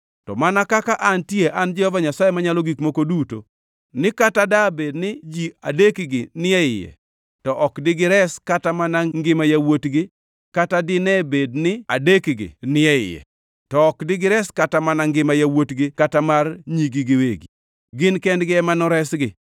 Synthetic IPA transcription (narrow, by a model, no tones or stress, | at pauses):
tɔ̰manakakaʔantjeʔand͡ʒɪɔvaɲasajemaɲalɔɡikmokoduto̰ | nɪkatadabednɪd͡ʒiadekɡɪnɪɛɪ̰jɛ̰ | tɔʔɔkdɪɡɪɾɛskatamanaŋɡɪmajawotɡɪ | katadɪnɛbednɪa̰dekɡɪ̰nɪɛɪ̰jɛ̰ | tɔːkdɪɡɪɾɛskatamanaŋɡɪmajawotɡɪkatamarɲiɡiɡɪweɡi | ɡɪnkɛndɡɪɛmanɔɾɛsɡɪ